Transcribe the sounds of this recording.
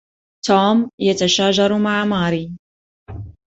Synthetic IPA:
t̪ʰoːmjat̪aʃaːʒɑɾˤmaʕamaːɾiː

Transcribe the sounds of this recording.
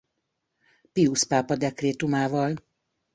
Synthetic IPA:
piuspaːpɒd̪ɛkreːt̪umaːvɒl

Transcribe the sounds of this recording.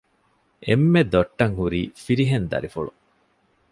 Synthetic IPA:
ʔemːed̪oʈːɐŋhuɾiːfiɾiɦend̪ɐ̰ɾifuɭṵ

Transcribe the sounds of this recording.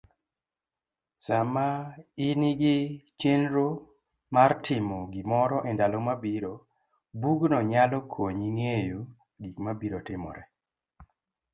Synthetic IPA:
samainiɡɪt͡ʃenɾo | martʰɪmɔɡimɔɾɔʔɛndalomabiɾo | buɡnɔɲalɔkʰoɲiŋejo | ɡikmabiɾotɪmɔ̰ɾɛ

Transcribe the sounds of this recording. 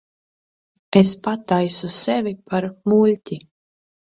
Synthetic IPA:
espat̪ajsusevʲipʰaɾmulʲt̪ʲi

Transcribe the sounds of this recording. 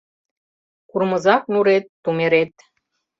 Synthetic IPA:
kurmɤ̆zɑk̚nuɾet̪ːumeɾet̪

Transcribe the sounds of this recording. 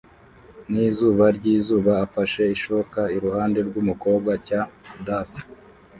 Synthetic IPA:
niːzuːβaɾɟiːzuːβaːfaʃe̞iʃoβokaiɾuhaːnde̞ɾɡumuko̞ːb̚ɡacadaf

